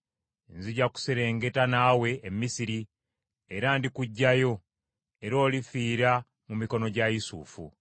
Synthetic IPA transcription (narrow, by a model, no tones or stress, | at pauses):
nziɟaku̥seɾe̞ːŋɡe̞tanaːwe̞ːmːisiɾi | eɾandikuɟːajo̞ | e̞ɾo̞ːlifiːɾa | mumiko̞no̞ɟajisṵfṵ